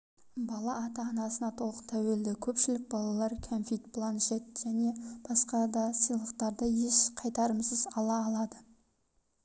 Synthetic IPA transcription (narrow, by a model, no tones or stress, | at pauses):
bɑlˠɑːt̪ɑːnɑsənɑt̪ʰo̞lˠət̪ʰæwe̞ld̪ɪkʲʰɵpʃɪlɪk̚bɑlˠɑlˠɑɾkʲʰonfijt̪pʰlˠanʃet̪̚ʒ̥æne̞b̥ɑsqɑd̪ɑsəjlˠəq̚t̪ɑɾd̪əje̞ʃqʰɑjt̪ɑɾəmsəzɑlˠɑːlˠɑd̪ə